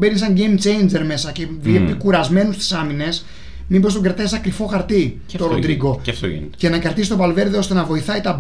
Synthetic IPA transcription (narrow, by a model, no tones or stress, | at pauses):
benisɐɲɟe̞jmt͡ʃe̞jnd͡ʒe̞ɾme̞sɐcevipikuɾɐzme̞nust̪i̥sɐmine̞s | mimbo̞st̪oɡɾɐt̪esɐkɾifo̞xɐɾt̪i | t̪oɾod̪ɾiɡo̞t̪o̰ḭce̞nɐkɐɾt̪isi̥st̪oɐlve̞ɾðeo̞st̪e̞nɐvo̞iθɐit̪ɐ